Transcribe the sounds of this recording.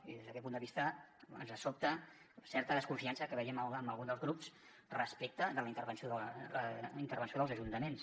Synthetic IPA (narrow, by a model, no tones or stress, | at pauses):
iðezðəkɛt̪pund̪əβist̪əə̰nzəsop̚t̪ə | sɛrt̪əðəskuɱfiansəkəβɛjɛmələməlˠɣunzd̪əlzɣɾups | rəspek̚t̪əðələint̪əɾβənsioðəəint̪əɾβənsioðəlˠzəʒunt̪əmens